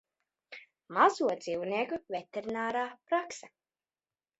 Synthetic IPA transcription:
mazuɔd̪ziwniɛkuvʲet̪ʲeɾinaːɾaːpɾaksa

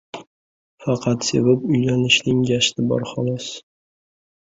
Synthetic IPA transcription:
fɑqʰɑt̪sevapʊjlanɪʃnɪŋɡʲaʃt̪ɪbɒ̰ɾχɒlˠɒs

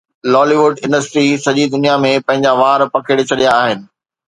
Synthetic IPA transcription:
lɔːliʋʊɖɪ̃nɖəsʈɾisɐʄid̪ʊnijamẽpɐ̃ɦɪ̃ɲd͡ʑaʋaːɾpɐkʰɪɽt͡ɕʰɐɗijaːɦɪnɪ̆

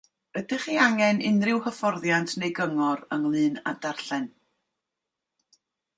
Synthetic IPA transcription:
ədɪχiaŋɛnɪnrɪwhəfɔrðjantʰnejɡəŋɔɾəŋlˠɨːna̰darɬɛn

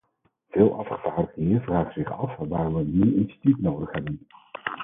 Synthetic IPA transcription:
v̥ɪːlˠʔɑfχəvaːɹdəχeəvraːχəz̥ɪχɑfʋaːrʋənyɪnsi̥titnowdəχɦɛbən

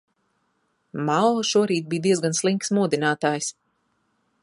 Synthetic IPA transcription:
malˠɔʃuɔɾiːt̪̚biːd̪iɛzɡanslˠiŋksmuɔd̪inaːt̪aːjs

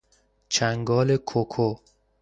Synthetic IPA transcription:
t͡ʃʰæŋɡɒːlekʰokʰo

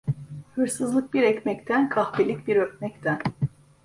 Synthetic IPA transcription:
hɯɾsɯzlˠɯk̚biɾɛcmɛct̪ʰænkʰaxbilʲic̚biɾøkmɛct̪ʰæn

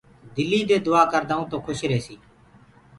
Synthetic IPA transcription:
d̪ɪlːiːd̪eːd̪ʊaːkəɾd̪aːũːt̪õːkʰʊʃɾeːsiː

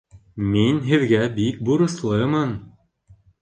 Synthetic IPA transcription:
minɦɘ̆ðɡæbik̚buɾɤ̆slˠɤjmɤn

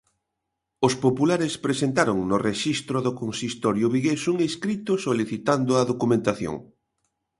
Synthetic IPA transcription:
ʊspopulaɾespɾesent̪aɾoŋnʊreʃist̪ɾoðʊkonsist̪ɔɾjʊβiɣesuŋeskɾit̪ʊsoliθit̪and̪ʊɐðokumẽnt̪aθjo̰ŋ

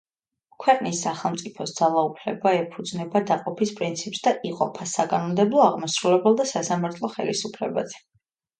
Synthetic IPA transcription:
kʰwɛqʼnisːaχɛlˠmt̪sʼipʰɔsd̪z̥alˠaupʰlɛbaɛpʰud̪znɛbad̪aqʼɔpʰispʼɾint̪sʰipʼsd̪aʔiqʼɔpʰasakʼanɔmd̪ɛblˠɔaʁmasɾulɛbɛlˠd̪asasamaɾt̪ʰlˠɔχɛ̰lḭsupʰlɛ̰ba̰zɛ

